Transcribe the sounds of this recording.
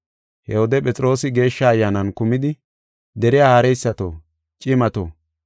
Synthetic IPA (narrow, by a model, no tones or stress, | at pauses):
hɛhɔd̪ɛpʼɛt͡sʼɾo̞ːsɪɡe̞ːʃːɐːjːaːnɐnkʊmɪd̪ɪ | d̪ɛɾɪjaːhɐɾɛjsːɐt̪o̰ː | t͡ʃʼɪmɐt̪o̰ː